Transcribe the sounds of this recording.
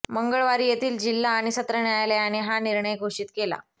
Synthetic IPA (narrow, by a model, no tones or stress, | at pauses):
məŋɡəɭʋaɾiːjet̪ʰiːld͡ʑilːaːɽ̃isət̪ɾəɳjajaljajaɽ̃iɦaniɾɳəjɡʱoʂiːt̪kela̰